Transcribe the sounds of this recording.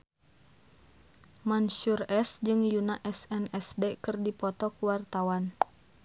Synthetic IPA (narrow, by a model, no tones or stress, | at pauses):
mansurɛsd͡ʒɨŋjunaʔɛsɛnɛsdɛkɨrdipɔt̪ɔkuwart̪awan